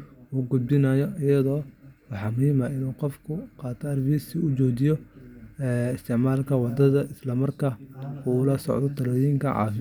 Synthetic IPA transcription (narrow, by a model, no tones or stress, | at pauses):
uːɡʊd̪̚bɪnajɔɪjɐðɔːwɑħɑːmʊhɪmaːɪnuːqɔfkʰʊqɑːt̪ʰɔɐrbisɪʊt͡ʃɔːt͡ʃɪjɔɛːɪst̪ʰɪʕmaːlkʰɐwɑd̪ɐðɐʔɪslɐmɐrkʰɐuːʊlɐsɔ̰ʕd̪ɔt̪ʰɐlɔːjiŋkʰɐʕɑ̰ːfɪ